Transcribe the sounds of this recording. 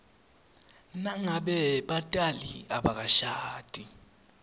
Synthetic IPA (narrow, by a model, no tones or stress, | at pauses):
naŋaɓɛɓatʼaliaɓak̬aʃaːtʼi